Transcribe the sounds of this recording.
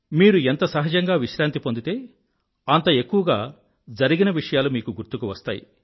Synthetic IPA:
miːɾue̞nt̪ɐsɐɦɐd͡ʒɐŋɡaːʋiʃɾaːnt̪ipo̞nd̪it̪e̞ː | ɐnt̪ɐe̞kːuʋɐɡaː | d͡ʒɐɾiɡinɐʋiʂɐjaːlumiːkuɡuɾt̪ukuʋɐst̪aːjḭ

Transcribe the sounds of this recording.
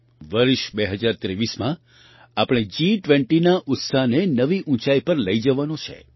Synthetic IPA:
ʋəɾʃbeɦəd͡ʒaɾt̪ɾeʋismã | apəɽ̃ed͡ʒiʈʋɛ̃ɳʈinaʔʊt̪saɦnenəʋiʔũt͡ʃaipəɾləid͡ʒəʋanõt͡ʃʰḛ

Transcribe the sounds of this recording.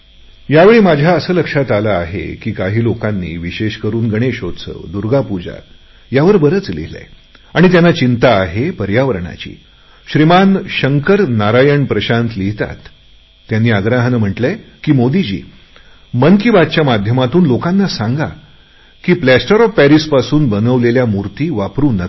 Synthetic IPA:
jaʋeɭiːmad͡ʑʱjaəsəːləkʂat̪alaːɦḛkiːkaɦiːlokanːḭːʋiɕeɕkəɾuːnɡəɽ̃eɕod̪sə̰ːd̪uɾɡapud͡ʑa̰ | jaʋəɾbəɾət͡slḭlḛ | aɽ̃it̪̬janːat͡ɕint̪aːɦepəɾjaʋəɾɳa̰t͡ɕḭː | ɕɾimanɕəŋkəɾnaɾajəɳpɾəɕãnt̪liɦt̪a̰t̪ː | janːiːaɡɾaɦənm̤əʈlekiːmod̪id͡ʑḭː | mənkibad̪̚t͡ɕjamad̪ʱjəmat̪uːnlokanːasãŋɡa | kiːplæsʈəɾɔfpæɾispasuːnbənəʋleljamuɾt̪iːʋapɾuːnːə

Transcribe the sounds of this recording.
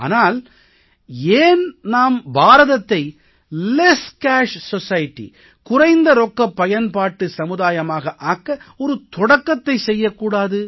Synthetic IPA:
a̰ːnaːl | eːnnaːmbaːɾɐðɐt̪ːɐɪ | leskaːʂsɔsɐjɪʈːḭ | kʊrɐɪnd̪ɐɾɔkːɐpːɐjɐnpaːʈːɯsɐmɯðaːjɐmaːɣɐʔaːkːɐɔɾɯt̪ɔɽɐkːɐt̪ːɐɪsɛjːɐkːuːɽaːðɯ

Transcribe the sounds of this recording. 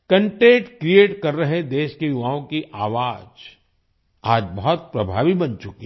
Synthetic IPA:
kɐ̃ɳʈẽːʈkɾieːʈkɐɾːɐɦed̪eːʃkejʊʋaːõkiʔaːʋaːd͡ʒ | aːd͡ʒbɐɦɔt̪̚pɾɐbʱaːʋibɐ̃nt͡ʃʊkiɦ

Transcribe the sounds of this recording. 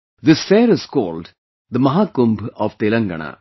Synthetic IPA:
d̪ɪsfeːɾɪz̥kɔːlɖ | d̪əmɐɦaːkʊ̃mbɔːʋt̪ɪlɐ̃ŋɡɐ̰ɳɐ̰

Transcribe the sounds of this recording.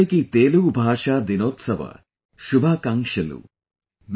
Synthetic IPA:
ekit̪eːluwbʱaːʃad̪inoːt̪sɐbɐ̰ | ʃubʱakaŋʃelṵ | m

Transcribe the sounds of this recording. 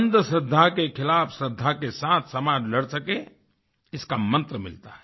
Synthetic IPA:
nd̪əsəd̪ʱːakekʰɪlaːpʰsəd̪ʱːakesãːt̪ʰsɐmaːd͡ʒləɽsəke | ɪskamə̃nt̪ɾəmɪ̰lt̪a̰ɦɛ

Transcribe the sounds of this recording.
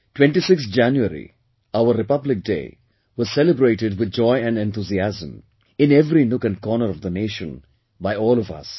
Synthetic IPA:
ʈwɛ̃ɳʈisɪkstd͡ʒæ̃njuəɾḭ | aʊəɾɾɪpʌblɪk̚ɖḛː | ʋɔzsɛləbɾeːʈɪɖʋɪd̪̚d͡ʒɔɪæ̃ɳɖɛ̃nt̪uziæzə̃m | ɪ̃neʋɾinʊkɨ̃nɖkɔːnəɾɔʋd̪əneːʃə̰̃n | baɪɔːlɔfʌ̰s

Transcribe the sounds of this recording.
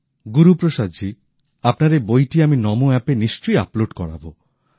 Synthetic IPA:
ɡuɾupɾoʃad͡ʑi | apnaɾebojʈiaminɔmoɛpeniʃt͡ʃoja̰ploɖkɔ̰ɽa̰bo

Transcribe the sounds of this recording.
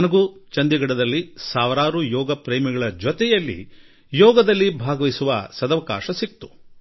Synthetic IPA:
ɐnɐɡut͡ʃɐnd̪iɡɐɽɐd̪ɐlːisaːʋɾaːɾujɔːɡɐpɾeːmiɡɐɭɐd͡ʒɔt̪ɛjɐlːḭ | jɔːɡɐd̪ɐlːibʱaːɡɐʋisuʋɐsɐd̪ɐʋɐka̰ːʃɐsik̚t̪u̥

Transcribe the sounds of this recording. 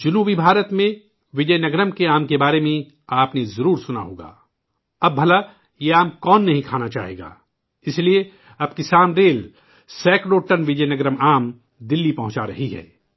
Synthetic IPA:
d͡ʒʊnuːbibʱaːɾət̪mẽ | ʋɪd͡ʒɐjnɐɡɾəmkeaːmkebaːɾemẽ | aːpnezɐɾuːɾsʊna̰ɦo̰ːɡa̰ː | ɐbːʱɐla | jeaːmkɔːnːɐɦĩkʰaːnat͡ʃa̰ːɦḛːɡa̰ː | ɪslie | ɐbkisaːmɾeːl | sɛːkɾoːʈənʋɪd͡ʒəjnɐɡɾəmaːm | d̪ɪlːipɐɦʊ̃t͡ʃaɾɐ̰ɦiɦɛ̰ː

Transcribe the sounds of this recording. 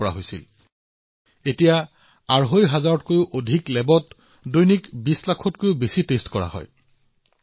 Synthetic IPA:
ɔɹa̰ɦojsḭl | etija | aɹɦojɦazaɹɔtkojʊʔodʱiklɛbɔt | dojnikbislakʰɔtkojʊbesitestkɔɹa̰hɔ̰j

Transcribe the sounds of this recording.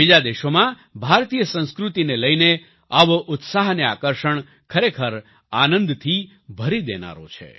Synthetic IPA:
bid͡ʒad̪eʃomã | bʱaɾt̪ijəsə̃ñskɾut̪ineləjne | aʋʔʊt̪saɦnea̰kəɾʃəɳ | kʰəɾekʰəɾ | anə̃nd̪t̪ʰi | bʱəɾid̪ena̰ɾo̰t͡ʃʰḛ

